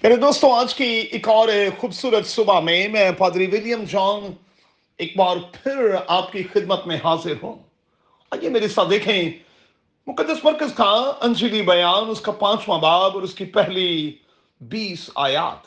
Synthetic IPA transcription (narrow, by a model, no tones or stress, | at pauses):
meːɾed̪oːst̪õaːd͡ʒkiɪkɔːɾɛxuːbsuːɾət̪sʊbamẽmɛ̃paːd̪ɾiʋɪljəmd͡ʒãːn | eːk̚baːɾpʰɪɾaːpkixɪd̪mət̪mẽɦaːzɪɾɦũː | aːjemeːɾisaːt̪d̪eːkʰẽ | mʊkəd̪ːəsmɐɾkəskaɐ̃nd͡ʒiːlibɐjaːnʊskapãːt͡ʃmãːbaːbɔːɾʊskipɛɦli | biːsa̰ːja̰ːt̪